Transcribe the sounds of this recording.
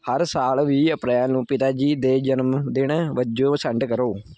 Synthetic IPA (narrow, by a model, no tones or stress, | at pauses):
həɾsaːlʋiːəpɾajãːnũːpɪt̪aːd͡ʒiːd̪eːd͡ʒənmd̪ɪɳʋəd͡ʒoːsə̃ɳʈkəɾoː